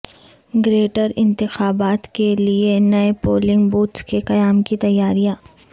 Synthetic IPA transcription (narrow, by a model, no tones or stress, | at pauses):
ɡɾeːʈəɾɪ̃nt̪ɪxaːbaːt̪kelienɐepoːlɪ̃ŋɡbuːʈ̪skekɐjaːmkit̪ɐjːaːɾijaː